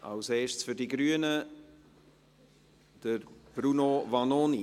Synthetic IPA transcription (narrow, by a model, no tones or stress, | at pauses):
ʔa̰lseːʃsfyɾdiɡɾyːənə | d̥əɾb̥ɾunovɑnoni